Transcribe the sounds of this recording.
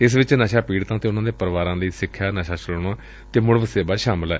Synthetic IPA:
ɪs̬ʋɪt͡ʃnaːʃaːpiːɽt̪ãːt̪eːʊnãːd̪eːpəɾʋaːɾãːləiːsɪkʰːjaːnaːʃaːt͡ʃəloɳaː | t̪eːmʊɽʋəseːbaːʃaːmɪlɛː

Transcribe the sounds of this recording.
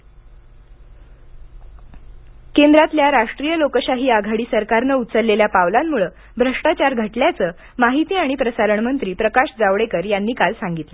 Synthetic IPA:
kend̪ɾat̪ljaɾaʂʈɾijəlokəɕaɦiːaɡʱaɽiːsəɾkaɾnəut̪t͡səlːeljapaʋlamːuɭə | bʱɾəʂʈat͡ɕaɾɡʱəʈljat͡səː | maɦit̪iːaɽ̃ipɾəsaɾəɳmənt̪ɾiːpɾəkaɕd͡zaʋɽekəɾjanːiːkalsaŋɡit̪lə

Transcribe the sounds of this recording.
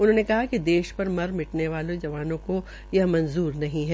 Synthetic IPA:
ʊnɦõːnekɐɦakid̪eːʃpɐɾmɐɾmɪʈneʋaːlõd͡ʒɐʋaːnõko | jɐɦmɐ̃nzuːɾnɐɦĩɦɛː

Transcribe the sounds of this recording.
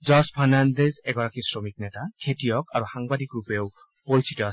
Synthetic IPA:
d͡ʒɔspʰanand̪ezɛɡɔɾakisɹomiknɛtakʰetiɔkaɾuxaŋbad̪ikɾupew | poɾit͡ʃʰitɔ

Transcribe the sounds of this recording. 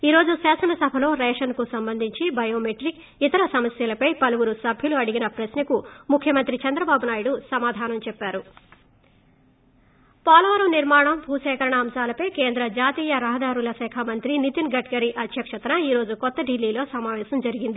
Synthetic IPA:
iːɾo̞ːd͡ʒuʃaːsɐnɐsɐbʱɐlo̞ːɾɛːʂɐnkusɐmbɐnd̪ʱiɲt͡ʃibɐjoːmeʈɾik | it̪ɐɾɐsɐmɐsjɐlɐpɐjpɐluɡuɾusɐbʱjɐluɐɽiɡinɐpɾɐsnɐkumukʰjɐmɐnt̪ɾit͡ʃɐnd̪ɾɐbaːbunaːjuɽusɐmaːd̪ʱaːnɐmt͡ʃɛpːaːɾu | paːlɐʋɐɾɐmniɾmaːɳɐmbʱuːʃɛːkɐɾɐɳɐːmsaːlɐpɐjkeːnd̪ɾɐd͡ʒaːt̪iːjɐɾɐɦɐd̪aːɾulɐsɛːkʰamɐnt̪ɾinit̪inɡɐʈɡɐɾiʔɐt̪jɐkʂɐt̪ɐnɐiːɾo̞ːd͡ʒukɔt̪ːɐɖilːiːlo̞ːsɐmaːʋɛːsɐmd͡ʒɐɾiɡind̪i

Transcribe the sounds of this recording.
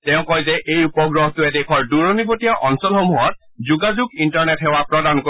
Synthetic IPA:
tɛʊ̃kɔjzɛʔejupɔɡɹɔɦɔtʊɛdekʰɔɹduɹɔnibotijaʔɔnsɔlxomuɦɔt̚ | zuɡazuɡintɔɹnɛtɦɛwapɹɔdanko

